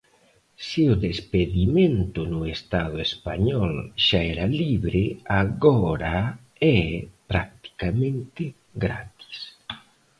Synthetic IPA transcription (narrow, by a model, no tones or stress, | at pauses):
siʊðespeðimẽnt̪ʊnʊest̪aðʊespaɲɔlʃaɛɾaliβɾɪaɣɔɾa | ɛpɾak̚t̪i̥kamẽnt̪ɪ | ɡɾa̰t̪i̥s